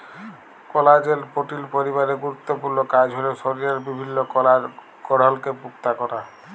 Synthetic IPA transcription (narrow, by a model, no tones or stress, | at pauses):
kɔlad͡ʑeɾpoʈilpoɾiβaɾeɡuɾut̪ːopuɾnokad͡ʑɦoleʃoɾiɾeɾbibʱinːoka | kɔɽ̤alkepukt̪akɔɾa